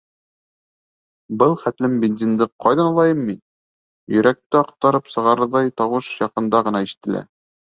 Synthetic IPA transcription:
bɤlˠχæt̪lɘmbʲenzʲind̪ɘqʰɑjðɑnɑlˠɑjɤmːin | jɵ̆ɾæk̚t̪ɘɑq̚t̪ɑɾɤpsɤ̆ʁɑɾɤ̆ɾðɑjt̪ɑwɤʃjɑqɤ̆nd̪ɑʁɤ̆nɑiʃɘ̥̆t̪ɘ̆læ̰

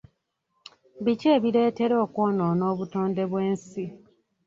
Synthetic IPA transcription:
βiceːβiɾe̞ːte̞ɾoːkoːnoːno̞ːβutoːnde̞βwe̞ːnsi

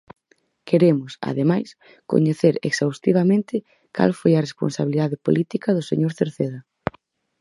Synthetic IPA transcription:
keɾemʊsa̰ðemajs | ko̰ɲeθeɾḛksawst̪iβɐmẽnt̪ɪ | ka̰lfojɐrespo̰nsaβiliðaðɪpo̰lʔit̪ikɐðʊsḛɲoɾθeɾθeðɐ

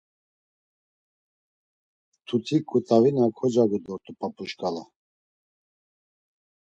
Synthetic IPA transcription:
t̪ʰut̪ʰikʼːut̪ʼavinakʰɔd͡ʒaɡud̪ɔɾt̪ʼupʼapʼuʃkʼala

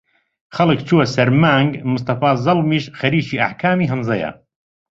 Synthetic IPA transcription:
xɐlɨkt͡ʃʰuwɐsɐɾmaːŋɡmʊs̬t̪ɑfaːzɑlmiːʃxɐɾiːʃiːʔa̰ħkʰaːmiːɦɨnzɐja̰

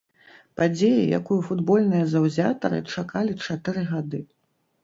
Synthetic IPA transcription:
pad͡zʲejḭja̰kujufud̪bɔlʲnɨjɐzɐwzʲat̪ɐɾɨ̰t͡ʂakalʲit͡ʂat̪ɨɾɨɣad̪ɨ

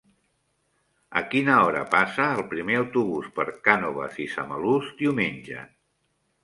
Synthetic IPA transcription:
ə̰kinəɔɾə̰pasəːlˠpɾimeəwt̪uβuspəɾkanoβ̞ə̰zisaməluzd̪iwmenʲʒə̰

